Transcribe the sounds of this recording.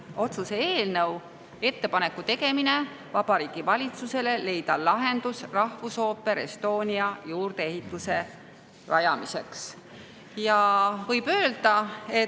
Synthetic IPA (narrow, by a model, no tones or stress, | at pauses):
o̞t̪suseeːlnəw | e̞t̪ːe̞pɑne̞kːut̪e̞ɡe̞mine̞ | vɑb̥ɑɾiːɡ̥ivɑlʲit̪suse̞le̞le̞jd̪̥ɑlɑɦe̞nd̪usrɑhvuso̞ːpːˑe̞ɾe̞st̪o̞ːnʲiɑjuːrd̪̥e̞eɦit̪ːˑuse̞ | rɑjɑmise̞ks | jɑvɤjb̥ø̞ːld̪̥ɑe̞